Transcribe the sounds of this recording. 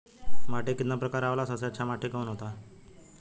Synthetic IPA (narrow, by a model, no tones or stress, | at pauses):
maʈekit̪napɾəkaɾaʋlasəseət͡ɕʰamaʈʰekəunɦot̪a